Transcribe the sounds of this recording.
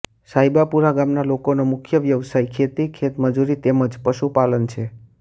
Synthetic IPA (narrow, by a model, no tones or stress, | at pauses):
saɦibapuɾaɡamnalokonomʊkʰjəʋjəʋsajkʰet̪ikʰet̪məd͡ʒuɾit̪eməd͡ʒpəʃupalənt͡ʃʰe